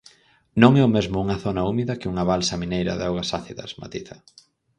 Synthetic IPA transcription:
nõŋɛʊmezmʊuŋɐθonɐumiðɐkɪuŋɐβalsɐmĩnejɾɐ̰ðɔwɣɐsaθiðɐ̰sma̰t̪iθɐ

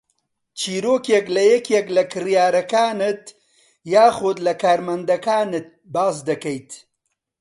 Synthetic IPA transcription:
t͡ʃiːɾoːkeklɐjɛkʰeklɐkɨrjaːɾɐkaːnɨt̪ | jaːχʊd̪lɐkaːɾmɐnd̪ɐkaːnɨt̪̚baːsd̪ɐkɐjt̪

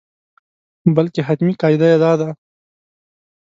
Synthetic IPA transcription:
bəlkeɦat̪miqɑːjd̪ajad̪ɑd̪a

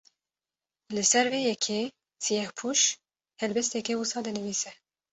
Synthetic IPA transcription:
lɨsɛɾveːjɛkʰeː | sijɛhpʰuʃ | hɛlbɛst̪ɛkɛwusɑːd̪ɛnɨviːsɛ

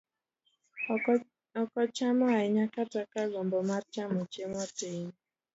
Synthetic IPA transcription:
ɔkɔt͡ʃamɔaiɲakatakaɡɔmbɔmaɾt͡ʃamɔt͡ʃemɔteɲ

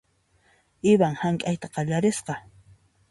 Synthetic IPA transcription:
ɪbaŋhaŋkʼajt̪aqɑʎaɾɪsqɑ

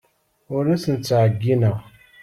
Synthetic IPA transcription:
ʊɾæsənt͡sːaʕəɡːinəʁ

